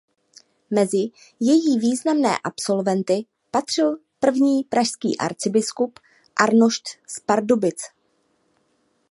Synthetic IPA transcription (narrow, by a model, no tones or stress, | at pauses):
mɛzɪ | jɛjiːviːznamnɛ̰ːʔapso̞lvɛnt̪ɪ | pat̪r̝̥ɪl | pr̩vɲiːpɾaʃskḭːʔa̰ɾt͡sɪbɪskup | ʔaɾnoʃt̪spaɾdobɪt͡s